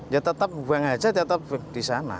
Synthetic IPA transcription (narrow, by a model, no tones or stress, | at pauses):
jat̪ət̪ap̚uwaŋad͡ʒat̪ət̪əp̚d̥isana̰